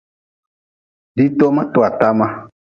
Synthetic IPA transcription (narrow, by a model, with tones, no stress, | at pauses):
ɖi˦t̪ɔ˦mã˦t̪o˨a˨t̪a˦mã˦